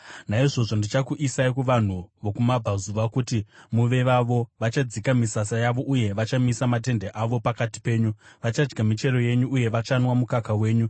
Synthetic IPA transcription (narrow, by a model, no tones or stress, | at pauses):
naiʐo̞ʐo̞ndit͡ʃakuʔisaikuʋan̤uʋo̞kumabʱazuʋakutimuʋe̞ʋaʋo̞ʋat͡ʃad͡zikamisasajaʋo̞ʔuje̞ʋat͡ʃamisamat̬e̞nde̞ʔaʋo̞pakati̥pe̞ːɲuʋat͡ʃad͡ʒɡamit͡ʃe̞ɾo̞je̞ɲuːje̞ʋat͡ʃanwamukakawe̞ːɲu